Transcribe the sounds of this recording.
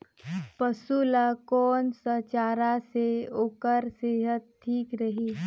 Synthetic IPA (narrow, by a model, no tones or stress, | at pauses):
pəsulakɔːnsət͡ʃaːɾaseoːkəɾseːɦət̪̚tʰːiːkɾɐɦiː